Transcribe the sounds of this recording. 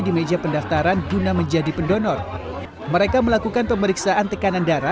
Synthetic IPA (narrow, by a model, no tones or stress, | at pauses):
dimed͡ʒapəndaft̪aɾandunaməɲd͡ʒadipəndɔnɔr | məɾekaməlakukanpəməɾiksaʔant̪əkanandaɾa